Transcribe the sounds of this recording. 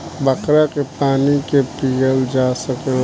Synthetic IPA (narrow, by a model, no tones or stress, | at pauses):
bəkɾakepaːnikepijəld͡ʒaːsək